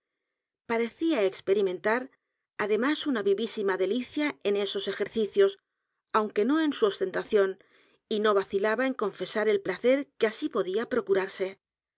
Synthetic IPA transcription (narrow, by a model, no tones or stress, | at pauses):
paɾe̞θiaekspe̞ɾimẽ̞nt̪aɾ | aðe̞masunaβiβisimaðe̞liθjae̞ne̞so̞se̞xe̞ɾθiθjo̞s | awŋke̞no̞e̞nsuo̞st̪e̞nt̪aθjo̞n | ino̞β̞aθilaβaeŋko̞ɱfe̞saɾe̞lplaθe̞ɾkeasipo̞ðiapɾo̞kuɾaɾse̞